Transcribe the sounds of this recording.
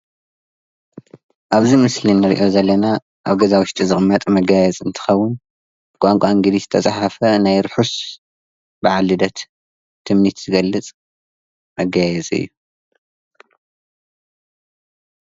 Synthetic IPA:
ʔaβzimɨslinːɨɾḭʔo̞zɐlːɐna | ʔaβɡɐzawʊʃt̪ʼizɨχʼmːɐt̪ʼmɐɡajɛzʼɨnt̪ʰɨ̥xɐwːʊn | bkʼaŋkʷʼaŋɡɨd̪izɨ̥t̪ʰɐsʼaħafɐnajɾɨħus | bɨʕalːɨd̪ɐt̪ʰː | ɨmnit̪zɨɡɐlːɨt͡sʼ | mɐɡajɛzʼɨ̰jːu

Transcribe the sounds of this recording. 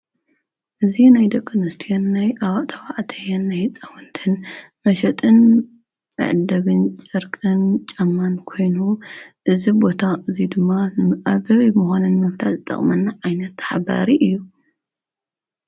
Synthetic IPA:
ʔɨzinajd̪ɐkʼːɨnɨst̪ʰijonːajʔawt̪ʰɐwaʕt̪ʰɐjɐnːajt͡sʼɐwɨnt̪ʰɨn | mɐʃɐt̪ʼɨn | ɨ̰ʕɨd̪ɐɡɨnt͡ʃʼɐɾkʼɨnt͡ʃʼɐmːankʰo̞jnuʔɨzibo̞t̪ʰaʔɨzid̪ɨmːanɨaβɐβimuxanɨnmɐfd̪azɨt̪ʼɐ̰χʼmɐnːaʕajnɐt̪ħaba̰ɾiʔɨjːu

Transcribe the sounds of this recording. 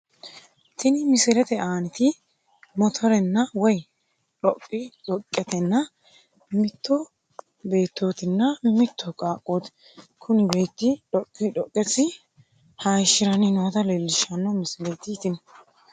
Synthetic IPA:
t̪ɪnɪmɪsɪlɛt̪ɛaːnɪt̪ɪ | mɔt̪ʰɔɾɛnːɐwɔj | ᶑɔkʼːɪᶑɔkʼːɛt̪ɛnːɐ | mɪt̪ːɔ | be̞ːt̪ːoːt̪ɪnːɐmɪt̪ʰːɔkʼaːkʼːoːt̪ | kʰʊnɪbe̞ːt̪ːɪᶑɔkʼːɪᶑɔkʼːɛsːɪ | haːʃːɪɾɐnɪnoːt̪ɐlelːɪʃɐnːɔmɪsɪlɛt̪ɪt̪ɪn

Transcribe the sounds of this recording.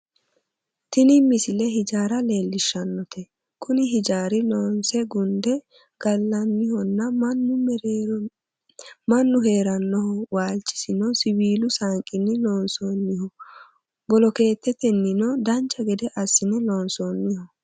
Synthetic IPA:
t̪ɪnɪmɪsɪlɛɦɪd͡ʒaːɾɐle̞ːlːɪʃːɐnːɔt̪ʰɛ | kʰʊnɪɦɪd͡ʒaːɾɪlɔːnsɛɡʊnd̪ɛ | ɡ̥ɐlːɐnːɪhɔnːɐnːʊ | mɐnːʊɦe̞ːɾɐnːɔhɔwaːlt͡ʃʼːɪ̥sɪnɔsɪbiːlʊsaŋkʼɪnːɪlɔːnsɔnːɪhɔ | bɔlɔke̞ːt̪ʰːɛt̪ɛnːɪnɔd̪ɐnt͡ʃʼːɐɡɛd̪ɛʔɐsːɪnɛlɔːnsɔːnːɪhɔ

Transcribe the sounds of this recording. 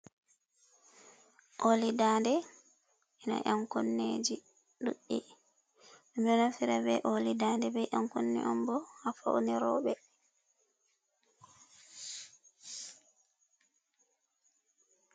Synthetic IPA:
ʔolidaːndɛ | ʔɛna̰ʔaŋkonːeːd͡ʒi | ɗuɗːi | md͡ʒɔnafiɾabɛʔolidaːndɛbɛʔaŋkonːḭʔɔmbɔhafa̰wniɾɔ̰ːɓɛ

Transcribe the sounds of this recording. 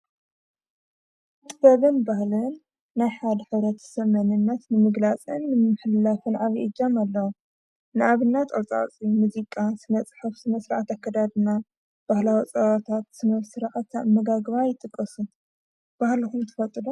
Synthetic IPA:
t̪ʼɨfɐβɨnbahlɨnː | ajħad̪ħɨβɾɐt̪ʰsɐmɐnɨnːɐt̪nɨmɨɡlat͡sʼɨnːɨmɨħɨlːafɨnʕaβiʔɨd͡ʒamalːɐwu | nɨʔaβɨnːat̪ʼat͡sʼa̰t͡sʼimuzikʼasɨnɐt͡sʼħɨfsɨnɐsɾɨʕat̪akʰːɐd̪ad̪ɨna | b̥ahlawit͡sʼɐβat̪ʰat̪sɨnɐβsɨɾʕat̪amɐɡaɡβajɪt̪ʼɨkʼːɐsu | b̥ahlixumt̪ʰɨ̥fɐt̪ʼɨd̪u

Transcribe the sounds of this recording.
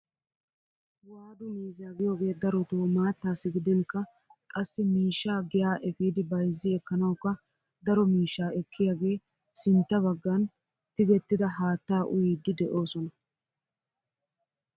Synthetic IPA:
waːd̪ʊmiːzaːɡɪjo̞ːɡe̞ːd̪ɐɾɔt̪uːmaːt̪ːaːsːɪɡɪd̪ɛŋkːɐ | kʼɐsːɪmiːʃːaːɡɪjaːʔɛfiːd̪ɪbɐjzːɪɛkːɐnɐwkːɐ | d̪ɐɾɔmiːʃːaːɛkʰːɪjaːɡe̞ː | sɪnt̪ːɐβɐɡːan | t̪ɪɡɛt̪ːɪd̪ɐɦaːt̪ːaːʔʊ̰jiːd̪ːɪd̪ɛʔo̞ːsɔnɐ

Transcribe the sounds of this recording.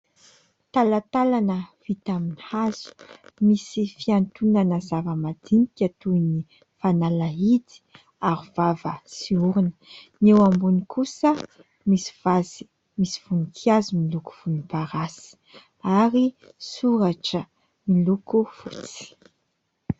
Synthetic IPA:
t̪alat̪alanəv̥it̪aminihaz̥u̥misifiant̪unanəzavəmad̪imi̥kʲat̪uni | fanalait̪i̥ | aɾivavəsiuɾinə̥newambunikʰusə | misi̥vazi̥ | misi̥v̥unikʰiazimiluku̥v̥unupaɾasi̥ | aɾi | suɾaʈ͡ʂə | milukufut͡si̥

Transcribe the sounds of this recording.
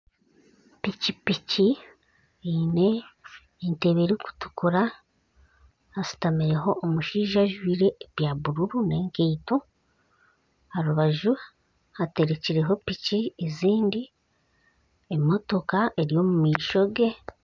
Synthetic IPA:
picipici | ine | inteβeɾiku̥tu̥kuɾa | hasi̥tamiɾe̞ɦo̞ʔːmuʃiːʒaʒwiːɾe̞ːβjaβuɾuɾune̞ːŋkeito | haɾuβaʒu | hate̞ɾeciɾe̞ɦo̞picieziːndi | emo̞to̞kaʔeɾijo̞mumiːʃo̞ɡe̞

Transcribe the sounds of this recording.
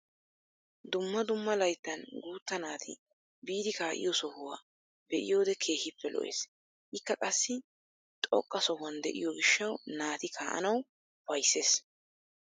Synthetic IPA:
d̪ʊmːɐd̪ʊmːɐlɐjt̪ːɐnɡuːt̪ːɐnaːt̪ʰɪ̰ | biːd̪ɪkaːʔɪ̰jɔsɔhʊwaː | bɛʔɪ̰jo̞ːd̪ɛkʰe̞ːhɪpːɛlɔ̰ʔḛːs | ʔɪkːɐkʼɐsːɪ | t̪ʼɔ̰kʼːɐsɔhʊɐnd̪ɛ̰ʔɪ̰jɔɡɪʃːɐwnaːt̪ɪkʰaːʔɐ̰nɐw | fɐjsːe̞ːs

